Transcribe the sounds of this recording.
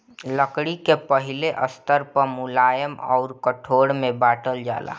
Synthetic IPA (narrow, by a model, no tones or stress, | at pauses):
ləkɽikepəɦɪleʔəst̪əɾpəɾmʊlaːjəmɔ̰ːɾkəʈʰoːɽmẽbaːʈəld͡ʒa̰ːla̰ː